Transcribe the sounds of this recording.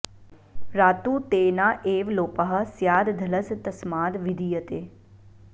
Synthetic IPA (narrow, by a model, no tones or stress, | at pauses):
ɾaːt̪uːt̪eːnaʔeːʋloːpaɦɐsjaːd̪d̪ʱɐləst̪ɐsmaːd̪ʋɪd̪ʱijət̪eː